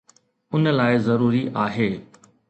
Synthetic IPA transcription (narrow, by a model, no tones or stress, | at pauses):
ʊnəlaːɪzɐɾuːɾiʔaːɦeː